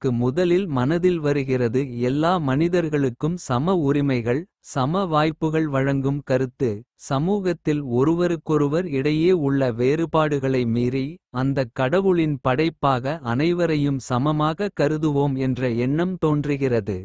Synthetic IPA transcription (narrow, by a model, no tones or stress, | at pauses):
kːɯmʊðɐlɪlmɐnɐðɪlʋɐɾɯɣɪrɐðɯɛlːaːmɐnɪðɐɾɣɐɭɯkːɯmsɐmɐʊɾɪmɐɪɣɐɭ | sɐmɐʋaːjpːɯɣɐɭʋɐɻɐŋɡɯmkɐɾɯt̪ːɯsɐmuːɣɐt̪ːɪlɔɾɯʋɐɾɯkːɔɾɯʋɐɾɪɽɐjeːʊɭːɐʋeːɾɯpaːɽɯɣɐɭɐɪmiːɾiɐnd̪ɐkːɐɽɐʋɯɭɪnpɐɽɐɪpːaːɣɐːnɐɪʋɐɾɐjɯmsɐmɐmaːɣɐkɐɾɯðɯʋoːmɛndrɐɛɳːɐmt̪oːndrɯɣɪrɐðɯ